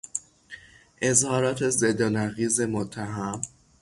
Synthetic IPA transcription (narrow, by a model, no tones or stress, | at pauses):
ʔe̞zhɒːɾɒːt̪ʰe̞zed̪ɒnæɣiːze̞mot̪ʰːæɦæm